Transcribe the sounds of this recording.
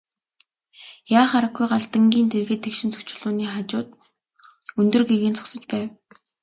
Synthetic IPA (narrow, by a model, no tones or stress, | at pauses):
jaːχaɾə̆ɡɡujɢaɮt̪ə̆ŋɡʲiːnt̪ʰerɣɘ̆t̪ʰːekʃɪ̆nt͡sɵ̥kt͡ɕɪ̆ɮʊːniːχat͡ɕʊːt̪̚ | ɵnt̪ɵ̆rɡeɣɘ̆ːnt͡sʰɔ̥ksə̆t͡ɕpæːw